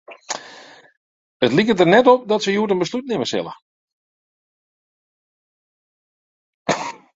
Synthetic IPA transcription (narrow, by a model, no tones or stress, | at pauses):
ətlikədərnɛtɔp̚dɔtsəjuətənbəslut̚nɪməsɪ̰lˠə̰